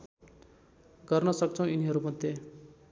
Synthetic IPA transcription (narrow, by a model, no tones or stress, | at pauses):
ɡʌrnʌsʌk̚t͡sʰʌ̃w̃iniɦʌɾumʌd̪ʱe